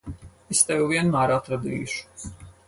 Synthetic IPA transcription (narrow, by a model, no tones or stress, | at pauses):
est̪ɛvʲuvʲiɛnmæːɾat̪ɾad̪ḭːʃu̥